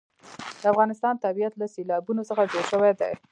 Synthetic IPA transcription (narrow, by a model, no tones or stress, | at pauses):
d̪̥əafɣɑnɪst̪ɑnt̪abijat̪laselɑbunosəxad͡ʒoɽʃəwad̪ḛ